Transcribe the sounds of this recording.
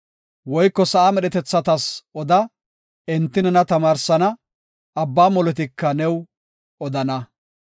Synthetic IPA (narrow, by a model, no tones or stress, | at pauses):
wɔjkːɔsɐʔaːmɛɗɛt̪ɛt͡sːɐt̪ɐsʔɔd̪ɐ | ɛnt̪ːɪnɛnɐt̪ɐmaːɾsɐnɐ | ɐbːaːmɔlɔt̪ɪkːɐnɛw | ɔd̪ɐnɐ